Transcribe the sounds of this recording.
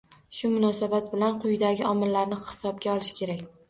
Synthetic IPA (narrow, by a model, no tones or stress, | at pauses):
ʃʊmʊnɒsabat̪̚bɪlanqʰʊjɪd̪aɡʲɪɒmɪlːaɾnɪhɪ̥sɒb̚ɡʲaɒlˠɪʃkʲʰe̞ɾakʲ